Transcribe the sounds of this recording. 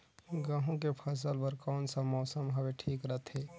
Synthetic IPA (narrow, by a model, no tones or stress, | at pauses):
ɡãːɦõkepʰəs̬əlpəɾkɔːnsəmɔːsəmɦəbeʈʰiːkɾət̪ʰɦe